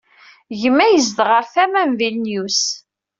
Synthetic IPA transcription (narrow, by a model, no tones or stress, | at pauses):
ʝəmːæjəzd̪ʁəɾθæmæmvilnjus